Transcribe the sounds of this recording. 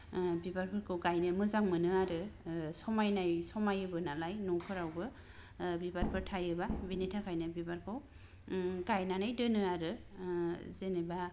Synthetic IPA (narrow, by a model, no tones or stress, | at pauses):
bibaɾpʰɯɾkʰɯwɡajnɯmɯzaŋmɯnɯaɾɯsɔmajnajsɔmajɯbɯnalajnɔwpʰɯɾawbɯ | bibaɾpʰɯɾtʰajɯbabinitʰakʰajnɯbibaɾkʰɯw | ɡajnanajdɯnɯaɾɯ | zeneba